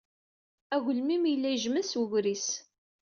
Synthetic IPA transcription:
æɣəlmimjəlːæjʒməswəɣɾis

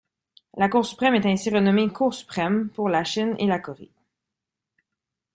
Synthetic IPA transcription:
lakuːʁsy̥pχɛmɛt̪ɛ̃siʁənɔmekʰuːʁsy̥pχɛmpuʁlaʃinḛlakɔʁḛ

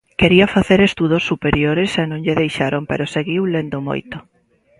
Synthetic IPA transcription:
keɾiɐfaθeɾest̪uðosːupeɾjoɾesenõŋʎeðejʃaɾompḛɾoseɣiwlend̪omo̰jt̪o

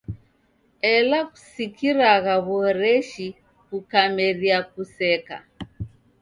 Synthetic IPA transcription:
ɛlaku̥sikiɾaɣaβɔɾɛʃi | kukamɛɾiakusɛka̰

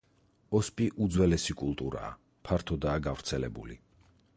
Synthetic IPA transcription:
ɔspʼiʔud̪zwɛlɛsikʼulˠt̪ʼuɾa̰ː | pʰaɾt̪ʰɔd̪aːɡavɾt̪sʰɛlɛbulḭ

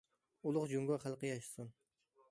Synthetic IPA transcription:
ulˠʊqd͡ʒuŋɡɑχælˠqəjɑʃsɨn

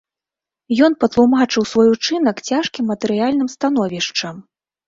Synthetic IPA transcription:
jɔnpɐt̪lˠumat͡ʂɨwsvɔjut͡ʂɨn̪ɐkt͡sʲaʂkʲimːɐt̪ɛɾɨjalʲn̪ɨmst̪anɔvʲiʂt͡ʂɐm

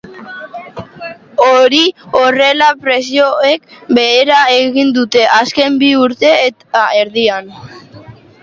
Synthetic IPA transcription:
oɾiore̞lapɾe̞sioekbe̞ːɾae̞ɣind̪ut̪e̞ʔaske̞mbiuɾt̪e̞ːt̪ae̞ɾðian

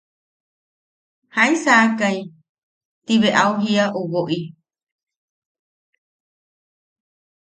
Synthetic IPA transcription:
haĩsakaj | t̪iβeʔauɦiaʔuβoʔi

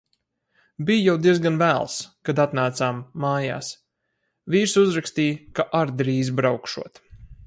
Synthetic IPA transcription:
bijjawd̪iɛzɡanvæːlˠskad̪at̪naːt̪saːmːaːja̰ːs | viːɾsuzɾakst̪iːjkaʔaɾd̪ɾiːzbɾawkʃuɔt̪

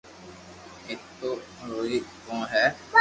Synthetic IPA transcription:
ɪt̪ːõː | ɾoːiːkõːɦɛː

